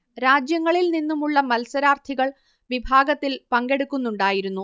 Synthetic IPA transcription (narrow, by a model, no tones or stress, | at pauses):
ɾaːd͡ʑjɐŋːɐɭilninːumuɭːɐmɐlsɐɾaːrt̪ʰiɣɐɭ | ʋibʱaːɡɐt̪ːilpɐŋɡe̞ɽukːunːuɳɖaːjiɾunːu